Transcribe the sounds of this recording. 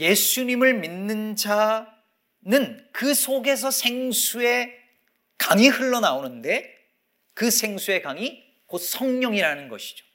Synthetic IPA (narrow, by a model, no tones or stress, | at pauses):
je̞sʰuɲimɯɭminːɯnd͡ʑa | nɯnkɯsʰoɡe̞s̬ʰʌsʰe̞ŋsʰue̞ | kaŋihɯɭːʌnaonɯnde̞ | kɯsʰe̞ŋsʰue̞kaŋi | kot̚sʰʌŋɲʌŋiɾanɯnɡʌɕʰi̥d͡ʑo̥